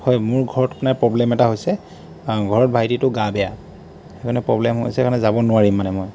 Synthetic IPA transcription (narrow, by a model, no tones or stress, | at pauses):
hɔjmʊɹɡʱɔɹɔtkʰnaɹpɹɔblɛmɛtaɦojsɛ | ɡʱɔɹɔt̚bʱajtitʊɡabɛja | xɛkʰanɛpɹɔblɛmɦo̰jsɛkanɛzabɔnʊwaɹimːanɛmoj